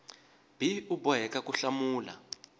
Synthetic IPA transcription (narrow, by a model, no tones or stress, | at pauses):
b̥ʱiubɔɦɛkakʼuɬamuːla̰